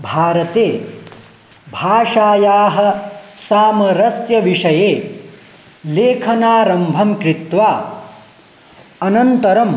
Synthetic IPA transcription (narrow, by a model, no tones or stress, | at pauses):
bʱaːɾɐt̪eː | bʱaːʂaːjaːɦɐ̆saːmɐɾɐsjɐʋiʂɐjeː | leːkʰɐnaːɾɐmbʱɐmkɾit̪ʋaː | ɐnɐnt̪ɐɾɐm